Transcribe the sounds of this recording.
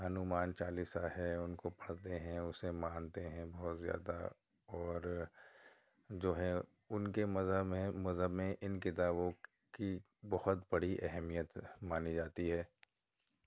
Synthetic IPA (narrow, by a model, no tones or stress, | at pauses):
ɦɐnumaːnt͡ʃaːlisaɦɛʊnkopɐ̥ɽ̤t̪eɦɛ̃ʊsemãːnt̪eɦɛ̃bɔɦʊt̪zja̰ːd̪a̰ | ɔːɾ | d͡ʒoːɦɛ | ʊnkemɐzəmɐzəbmẽʔɪnkɪt̪aːbõ | ki | bɐhʊt̪bɐɽ̤iʔɛɦmijət̪maːnid͡ʒaːt̪iɦɛː